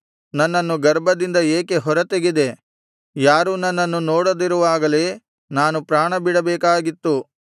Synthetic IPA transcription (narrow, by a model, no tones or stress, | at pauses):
nɐnːɐnːuɡɐɾbʱɐd̪ind̪ɐeːke̞ɦɔɾɐt̪eɡid̪e̞ | jaːɾuːnɐnːɐnːunoːɽɐd̪iɾuʋaːɡɐleː | naːnupɾaːɳɐbiɽɐbɛːkaːɡit̪ːu